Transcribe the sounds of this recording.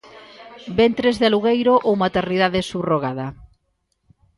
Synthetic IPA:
bent̪ɾezðaluɣejɾoʔowmat̪eɾniðaðesuβroɣaðɐ

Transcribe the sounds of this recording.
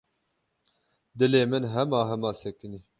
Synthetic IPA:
d̪ɨleːmɨnɦɛmɑːɦɛmɑːsɛkɨniː

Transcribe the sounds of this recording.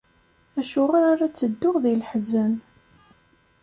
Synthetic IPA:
æʃʊʁaɾaɾæt͡sːəd̪ːʊʁðilħzən

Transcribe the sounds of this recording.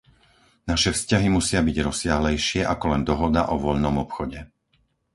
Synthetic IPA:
naʃɛfscaɦimusɪabiɟɾɔsɪaɦlɛjʃɪɛʔakɔlɛnd̪ɔɦɔd̪a̰ʔɔʋɔʎnɔmɔpxɔɟɛ

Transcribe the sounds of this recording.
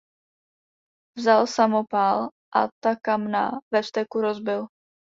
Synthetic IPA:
vzalsamopalʔat̪akamna̰vɛfst̪ɛkuɾozbɪl

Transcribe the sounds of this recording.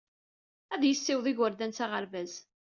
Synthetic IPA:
æðjəsːɪwðˤɪʝwəɾd̪ænt͡saʁəɾvæz

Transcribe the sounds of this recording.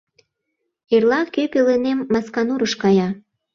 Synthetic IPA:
erlɑkøpelenemːɑskɑnuɾəʃkɑjɑ

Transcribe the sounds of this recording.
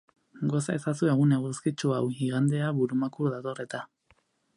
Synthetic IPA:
ɡo̞sae̞sasueɣ̞uneɣuskit͡ʃuawɣiɣand̪e̞aβuɾumakuɾðat̪o̞re̞t̪a

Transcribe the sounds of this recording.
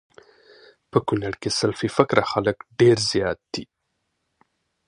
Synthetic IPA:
pəkunaɽkesalfifɪkɾaxaləkɖeɾzjɑt̪̚d̪̥i

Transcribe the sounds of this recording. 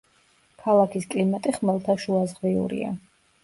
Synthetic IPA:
kʰalˠakʰiskʼlimat̪ʼiχmɛlˠt̪ʰaʃuazʁviṵɾḭa̰

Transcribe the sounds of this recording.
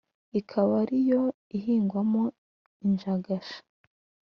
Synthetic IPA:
ikʰaβaɾijo̞ | iɦiːŋɡwamo | iɲʒaɡaʃḁ

